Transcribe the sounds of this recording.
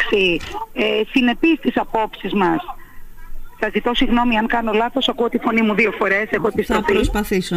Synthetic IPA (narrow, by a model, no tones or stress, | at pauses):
siesine̞pist̪isɐpo̞psizmɐs | sɐzit̪o̞siɣno̞miɐŋkɐno̞lɐθo̞sɐkuot̪ifo̞nimuðio̞fo̞ɾe̞se̞xoepist̪ofiospɐθiso